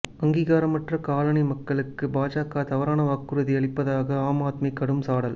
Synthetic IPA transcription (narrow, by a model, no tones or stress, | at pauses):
ɐŋɡiːɣaːɾɐmɐʈrɐkaːlɐɳɐɪmɐkːɐɭɯkːɯbaːd͡ʒaːkaːt̪ɐʋɐɾaːnɐʋaːkːɯɾɯðiɐɭɪpːɐðaːɣɐaːmaːt̪mɐɪkːɐɽɯmsaːɽɐl